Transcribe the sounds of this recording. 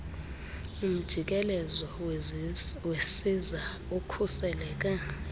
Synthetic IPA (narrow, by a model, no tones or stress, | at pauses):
um̩d̥ʒ̥ʱik̬ʼɛlɛzɔ | wesiza | ukʰusɛlɛːk̬ʼa